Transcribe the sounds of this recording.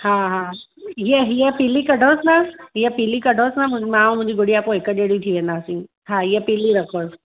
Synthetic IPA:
hãɦã | ɦieɦijepilikəɖʱosnaɦijepilikəɖʱosnam̃mãmʊ̃ɪ̃ɲd͡ʑiɡoɽiaːpoekəɗeɽit̪ʰiːʋẽnd̪asĩ | ɦãɦijepiliɾəkʰoːs

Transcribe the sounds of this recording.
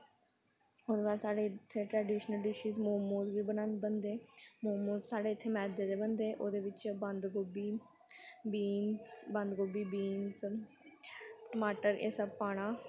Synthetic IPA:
oːd̪eːʋaːlsaːɽeːt̪ʰːeːʈɾɛːɖiːʃnəlɖɪʃiːzmoːmoːzʋiːbənãːnbənd̪eːmoːmõːzsaːɽeːɪt̪ʰːeːmɛːd̪eːd̪eːbənd̪eːʔoːd̪eːʋɪt͡ʃbənd̪ɡobiː | biːnbə̃nd̪ɡoːbiːbiːnz | ʈəmaːʈəɾʔḛːsapaːɽ̃aː

